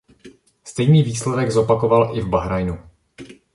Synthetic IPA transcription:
st̪ɛjniːviːslɛdɛɡzo̞pako̞valʔɪvbaɦɾajnu

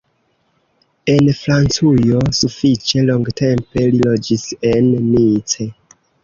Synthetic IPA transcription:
e̞nfɾant͡sujo̞sufit͡ʃe̞loŋɡtʰe̞mpe̞lilo̞d͡ʒise̞nːit͡se̞

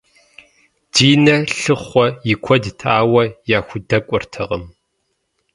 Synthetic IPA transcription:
d̥iːnɐɬɨχʷɔjɪkʷʰɔdtʰaːwɐjaːxʷʊdɐkʷʼʊrtʰɐʁɐ̰m

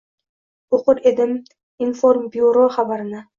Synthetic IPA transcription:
oqʊɾe̞d̪ɪm | infoɾmbioɾoχabaɾɪnɪ

